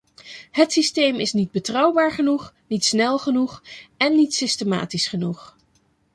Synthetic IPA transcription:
hətsistejmɪsnid̚bətrɑwbaːɹχənuχ | nitsnɛlˠχənuχɛnːitsɪstəma̰ːtisχənuχ

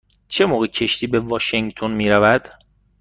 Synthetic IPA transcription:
t͡ʃʰe̞moːɣecʰe̞ʃt̪ʰiːbe̞vɒːʃeŋt̪ʰonmiːɾævæd̪̥

